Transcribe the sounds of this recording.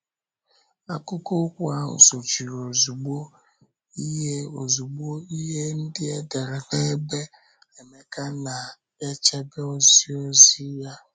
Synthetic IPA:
a˨kʊ˦ko˦kʷa˦n̩˨so˨t͡ʃi˨ɾo˨zu˨ɡ͡bo˦ | i˦ɦe˦o˨zu˨ɡ͡bo˦i˦ɦe˦n̩˦dɪ˦e˦de˨ɾe˨ne˦be˦ | e˨me˨ka˦na˨ | e˦t͡ʃe˦be˦o˦zi˦o˦zi˦ja˦

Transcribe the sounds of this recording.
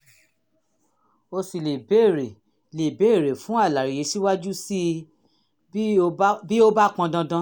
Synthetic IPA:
o˧si˨le˨be˨˦˨ɾe˨ | le˨be˨˦˨ɾe˨fũ˦a˦˨la˨ɾi˨je˨˧ʃi˦wa˦d͡ʒu˦si˦ | bi˦o˦ba˦˨k͡pã˧dã˧dã˧˦

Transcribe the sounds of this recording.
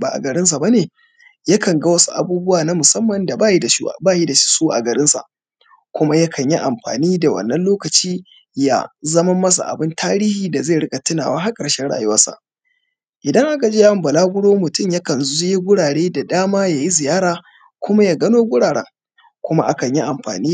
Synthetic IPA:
ba̰ː˨ʔa̰˨ɡɐ˨ɾɪ˦ns̬a˨ba˦neː˨ | ja˦kɐ˨ŋɡa˦wɐ˦su˦ʔa̰˨buː˦bʊ˦waː˨na˦mʊ˨sɐ˦mːɐ˨nda˨baː˦˨ji˦da˨ʃḭ˦˨baː˦ji˦da˨ʃi̥˦suː˦ʔa̰˨ɡɐ˨ɾɪ˦nsa̰˨ʔ | kʷʊ˦ma˦ja˦kʰɐ˨ɲji˦ʔa˨mɸa̰ː˨niː˦da˨wɐ̰˨nːɐ˦nloː˦kɐ˨t͡ʃiː˦ | ja̰˦zɐ˦mɐ˦mɐ˦s̬a̰˨ʔa̰˨bɪ˦ntaː˦ɾiː˦hiː˨da˨zae˦˨ɽɪ˦kʼɐ˨tɪ˦na̰ː˨waː˦ɦa˦kʼɐ˨rʃɛ˦ɽa̰ː˨ju˦wɐ˦sa̰˦˨ʔ | ʔɪ˨dɐ˦ŋʔa˦ka˨d͡ʒe˦ja˦˨mbɐ˨laː˦ɡʷʊ˦ɽoː˦mʊ˨tʊ˦mja˦kɐ˨nzzʊ˦je˦ɡʷʊ˦ɽaː˨ɽeː˦da˨daː˦maː˦jaː˨ji˦zɪ˨jaː˦ɾaː˨ | kʷʊ˦ma˦jaː˦ɡɐ˦noː˦ɡʷʊ˦ɽaː˨ɽɛ̰˦ŋ | kʷʊ˦ma˦ʔa˦kɐ˨ɲji˦ʔa˨mɸa̰ː˨niː˦

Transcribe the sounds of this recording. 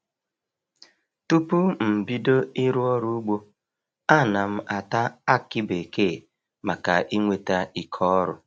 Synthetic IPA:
tu˦pu˦m̩˨bi˦do˦i˦ɾu˦ɔ˦ɾu˦u˦ɡ͡bo˦ | a˦˨na˨m̩˦ʔa˨ta˦a˦kɪ˦be˨ke˦˨ | ma˨ka˨ʔi˦ŋʷe˨ta˦i˦kʰɔ˦ɾʊ˦

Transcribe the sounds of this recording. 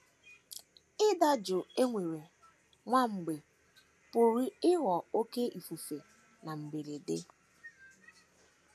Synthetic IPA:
ɪ˦da˦d͡ʒʊ˨e˦ŋʷe˨ɾe˨ | ŋʷa˦ŋ͡m̩˨ɡ͡be˨ | po˨ɾi˦ɪ˦ɣɔ˨o˦ke˦i˨fu˨fe˨ | na˨m̩˨be˨ɾe˨de˦

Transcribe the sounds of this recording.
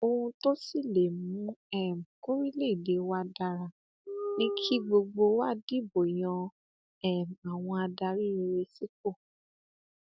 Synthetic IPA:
o˧hũ˧to˦si˦˨le˨mũ˨˦ɛ˦˨m̩˨ku˦ɾi˦le˦˨i˨de˨˦wa˦da˧ɾa˧ | nĩ˦kʰi˦ɡ͡bo˧ɡ͡bo˧wa˦di˦bo˨j̃ɔ̃˧ | ɛ˦˨m̩˨a˨w̃ɔ̃˧a˧da˧ɾi˦i˧ɾe˧si˦ko˦˨

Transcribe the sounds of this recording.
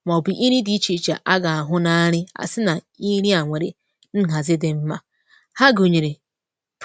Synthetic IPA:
mɔ˨bi˨ʔi˦ɾi˦di˦t͡ʃi˦t͡ʃa̰˨ʔa˦ɡa˨a˨ɦʊ˦na˦ɾɪ˦a̰˨sɪ˦na˨ | i˦ɾi˦a˨ŋʷe˨ɾḛ˨ | n̩˦ɦa˨zɪ˦dɪ˨m̩˦ma˦ | ha˦ɡo˨ɲe˨ɾe˨

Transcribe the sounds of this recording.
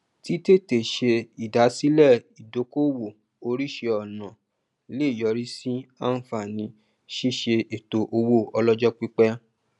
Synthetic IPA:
ti˦te˦˨te˨ʃe˧i˨da˨˦si˦lɛ˦˨i˨do˨˧˦ko˦wo˦˨ | o˧ɾi˦ʃe˧ɔ˨nã˨ | le˦˨jɔ˨˧ɾi˦si˦a˦n̩˦fa˦˨nĩ˧˦ | ʃi˦˨ʃe˧e˨to˨ʔo˧wo˦˨ɔ˧lɔ˦d͡ʒɔ˦k͡pi˦k͡pɛ˦

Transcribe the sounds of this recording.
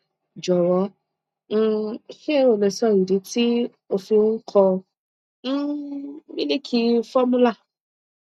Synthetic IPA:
d͡ʒɔ˨ɾɔ̃˨˦˨ | ke˦ɾo˨lɛ˨sɔ˦˨i˨di˨˦ti˦ | o˧fi˧wũ˦ŋ̩˦kʰɔ̃˧˦ | mĩ˦ni˦kʰi˧fɔ˦mũ˦la˦˨

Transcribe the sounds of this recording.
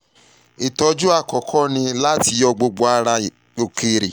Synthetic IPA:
i˨tɔ˧˦d͡ʒu˦a˦˨kɔ˨kʰɔ˦nĩ˧la˦ti˧jɔ˧ɡ͡bo˧ɡ͡bo˧a˧ɾa˧ | o˨ke˧ɾḭ˨

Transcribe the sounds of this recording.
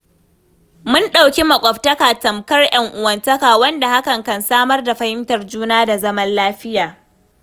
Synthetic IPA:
mʊ˦nɗa˨wkʲi˦mɐ˨kʷʼɐ˨ɸtɐ˦kaː˨tɐ˨mkɐ˦rjɐ˦ŋʔʊ˨wɐ˨ntɐ˦kaː˨wɐ˦nda˨ha˦kɐ˨ŋkɐ˨nsaː˦mɐ˦rda˨ɸɐ˦hɪ˦mtɐ˨rd͡ʒuː˦naː˦da˨zɐ˦mɐ˦nlaː˦ɸɪ˦jaː˨

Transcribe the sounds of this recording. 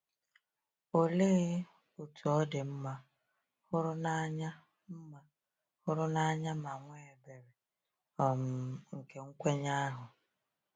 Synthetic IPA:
o˨le˦ɣ | u˨tʰu˨ɔ˦dɪ˨m̩˦ma˦ | hʊ˦ɾʊ˦na˦ɲa˦ | m̩˦ma˦ | hʊ˦ɾʊ˦na˦ɲa˦ma˨ŋʷe˦e˨be˨ɾe˨ | ɔ˨m̩˨ŋ̩˨ke˦ŋ̩˦kʷe˦ɲa˦a˦ɦʊ˨

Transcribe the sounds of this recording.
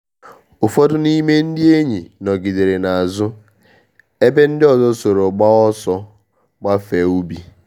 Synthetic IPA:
ʊ˨fɔ˦dʊ˦ni˦me˦n̩˦dɪ˦e˦ɲi˨nɔ˨ɡi˨de˨ɾe˨na˨a˨zʊ˦ | e˦be˦n̩˦dɪ˦ɔ˨zɔ˦so˨ɾo˨ɡ͡ba˦ɔ˦sɔ˦ | ɡ͡ba˦fe˨u˦bi˨

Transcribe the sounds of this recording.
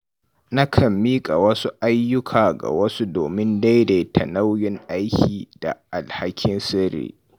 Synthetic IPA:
na˦kʰɐ˨mːiː˦kʼa˨wɐ˦su˦ʔa˦jːʊ˦kʰaː˨ɡa̰˨wɐ˦su˦doː˨mɪ˦nda˦jde˨tʰɐ˨na˦wjɪ˦ŋʔa˦jkʲʰiː˨da̰˨ʔa˨lha˦kʲʰɪ˦nsɪ˦ɾḛː˨

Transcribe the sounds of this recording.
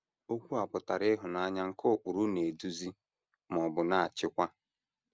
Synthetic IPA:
o˦kʷu˦a˨pʊ˨ta˨ɾɪ˦ɦʊ˨na˨˦ɲa˦ŋ̩˦kʰo˦˨k͡pu˨ɾu˦ne˨du˨zi˦ | m˨ɔ˨bʊ˨na˨a˨t͡ʃɪ˦kʷa˦

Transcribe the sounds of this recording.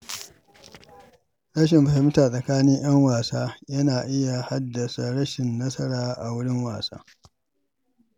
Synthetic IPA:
ɽɐ˦ʃ̬ɪ˨mɸɐ˨sɐ˨mɪ˦taː˨sʼɐ˨kaː˦nɪ˦ŋj̰ɐ˦ŋwaː˨saː˦jɐ˦naː˨ʔɪ˦ja˨ha˦dːɐ˨sa˨ɽɐ˦ʃɪ˨nːɐ˦sɐ˦ɽaː˨ʔa˨wʊ˦ɽɪ˦ŋwa̰ː˨sa̰ː˦

